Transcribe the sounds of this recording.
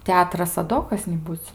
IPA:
ˈtʲɛɐtrɐs ɐ ˈdoː kɐs nʲɪˈbuːt͡s

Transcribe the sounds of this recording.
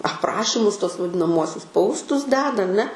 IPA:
ɐpˈrɑːʃʲɪmʊs tuɔs ʋɐdʲɪnɐˈmuɔsʲʊs ˈpɐʊstʊs ˈdʲæːdɐ ɐˈnʲɛ

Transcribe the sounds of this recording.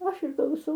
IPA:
oː ˈɐʃ ɪr klˠɐʊˈsɐʊ

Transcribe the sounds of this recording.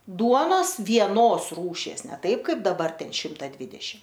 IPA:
ˈduɔnoːs ʋʲiɛˈnoːs ˈruːʃʲiɛs nʲɛ ˈtɐɪp ˈkɐɪp dɐˈbɐr ˈtʲɛn ˈʃʲɪmtɐ ˈdʲʋʲɪdʲɛʃʲɪm

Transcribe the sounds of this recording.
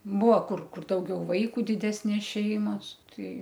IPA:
ˈbuɔ ˈkʊr ˈkʊr ˈdɐʊɡʲɛʊ ˈʋɐɪkʊ dʲɪˈdʲæːsʲnʲeːs ˈʃʲɛɪmɐs ˈtɐɪ

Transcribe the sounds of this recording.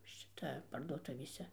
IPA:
ˈʃʲɪtɐ pɐrduɔˈtʊʋʲeːsʲɛ

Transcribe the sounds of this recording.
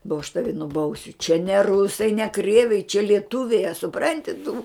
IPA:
boː ɐʃ ˈtɑːʋʲɪ nʊˈbɐʊsʲʊ t͡ʃʲɛ nʲɛ ˈrʊsɐɪ nʲɛ ˈkrʲiɛʋʲɛɪ t͡ʃʲɛ lʲiɛˈtʊʋʲɛɪ ɐ sʊˈprɐnʲtʲɪ tʊ

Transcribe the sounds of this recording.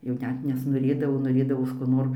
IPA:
jɛʊ ˈnʲɛt nʲɛsnoːˈrʲeːdɐʋoː noːˈrʲeːdɐʋoːs koː ˈnoːr

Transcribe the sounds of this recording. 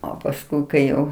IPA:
oː pɐsˈkʊɪ kɐɪ ˈjɛʊ

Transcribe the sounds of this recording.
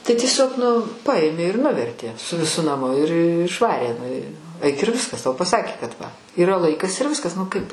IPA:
tɐɪ tʲiɛˈsʲoːk nʊ ˈpɐeːmʲeː ɪr ˈnʊʋʲɛrʲtʲeː sʊ ʋʲɪˈsʊ nɐˈmʊ ɪr ɪʃˈʋɑːrʲeː nʊ ɪ ɐɪk ɪr ˈʋʲɪskɐs tɐʊ pɐˈsɑːkʲeː kɐt ʋɐ iːˈrɐ ˈlˠɐɪkɐs ɪr ˈʋʲɪskɐs nʊ ˈkɐɪp

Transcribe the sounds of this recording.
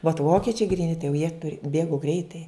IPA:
ʋɐt ˈʋoːkʲɪt͡ʃʲɛɪ ɡrʲiːˈnʲɪ tɐɪ jɛʊ jiɛ ˈbʲeːɡʊ ˈɡrʲɛɪtɐɪ

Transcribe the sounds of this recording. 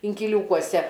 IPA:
ɪŋʲkʲɪˈlʲuːkuɔsʲɛ

